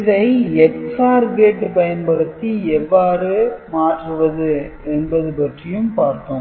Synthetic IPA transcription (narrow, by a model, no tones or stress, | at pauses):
ɪðɐɪɛksaːɾɡeːʈːɯpɐjɐnpɐɾɯt̪ːiɛʋːaːɾɯmaːʈrɯʋɐðɯɛnbɐðɯpɐʈrɪjɯmpaːɾt̪õː